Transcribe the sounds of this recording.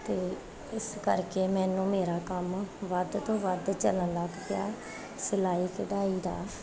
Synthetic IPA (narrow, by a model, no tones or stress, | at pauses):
t̪eː | ɪskəɾkeːmɛːnũːmeːɾaːkəmʋəd̪t̪õːʋəd̪t͡ʃələnləɡpɪjaː | səlaːiːkəd̪aːiːd̪aː